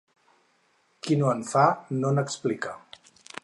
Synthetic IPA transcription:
kinoəɱfanonəksplikə

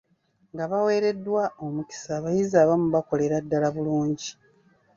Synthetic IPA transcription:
ŋɡaβawe̞ːɾe̞dːwao̞muki̥saːβajizaːβamuβako̞le̞ɾadːalaβuluːɲɟi

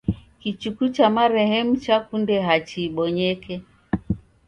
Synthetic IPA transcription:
kit͡ʃukut͡ʃamaɾɛhɛmut͡ʃakundɛɦat͡ʃiːɓɔɲɛkɛ

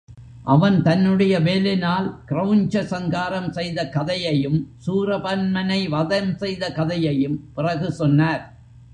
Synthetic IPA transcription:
ʔɐʋɐnt̪ɐnːɯɽɐjɐʋeːlɪnaːlkɪrɐʋʊnd͡ʒɐsɐŋɡaːɾɐmsɛjðɐkɐðɐjɐjɯmsuːrɐpɐnmɐnɐɪʋɐðɐmsɛjðɐkɐðɐjɐjɯmpɪrɐɣɯsɔnːaːɾ

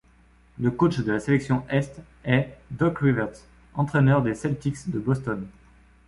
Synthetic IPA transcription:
ləkot͡ʃd̪əlaselɛksjɔ̃ʔɛst̪ | ɛd̪ɔkʁivɛʁt̪s | ɑ̃t̪χɛnœʁd̪esɛlt̪iksd̪əbɔst̪ɔn

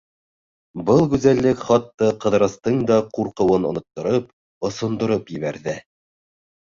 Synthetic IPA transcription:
bɤlˠɡʉzælːɘkχɑt̪ːɑqɤ̆ðɾɤ̆st̪ɤɴd̪ɑquɾqɤ̆wɤnŏ̰nŏt̪ːŏɾɤp̚ | ŏsŏnd̪ŏɾɤpjɘ̆βæɾðɘ

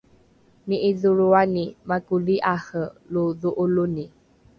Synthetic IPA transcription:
niʔiðuɾuanimakuliʔahəluðuʔuluni

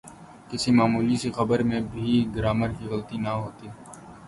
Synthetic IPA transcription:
kɪsimaːmuːlisixɐbəɾmẽbʱiɡɾaːməɾkiɣəlt̪inɐɦoːt̪iː

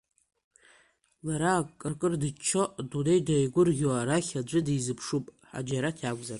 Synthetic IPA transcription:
laɾakʼːɨrkʼɨrdɨt͡ʃʰoʔdunejdajɡʷʊrɣʲwaɾaχʲad͡ʒʷʼɨdijzɨpʰʂupʼħa̰d͡ʒaɾatʰiaɡʷʼzar

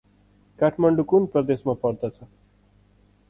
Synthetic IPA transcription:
kaʈʰmʌɳɖukunprʌd̪esmapʌɾd̪ʌt͡sʰʌ

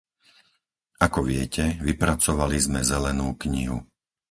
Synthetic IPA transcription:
akɔʋɪɛcɛʋipɾat͡sɔʋalizmɛzɛlɛnuːkɲḭɦṵ

